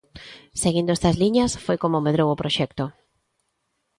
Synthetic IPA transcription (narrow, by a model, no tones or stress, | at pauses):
seɣind̪oest̪ɐzliɲɐsfojkomomeðɾowopɾoʃɛkt̪o